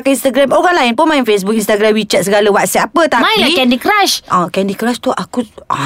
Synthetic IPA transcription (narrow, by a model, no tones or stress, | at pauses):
kainst̪aɡɾamoɣanlainpʊnmajinfes̬buk̚inst̪aɡɾamwit͡ʃat̪̚səɡaləwaʔsiapət̪amailakɛndikɾaʃãkɛndikɾast̪uʔaku